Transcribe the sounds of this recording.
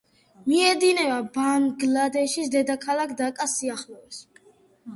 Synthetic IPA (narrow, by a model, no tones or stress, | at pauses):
miɛd̪inɛvabanɡlad̪ɛʃisd̪ɛd̪akʰalakʰd̪akʼasiaχlɔɛs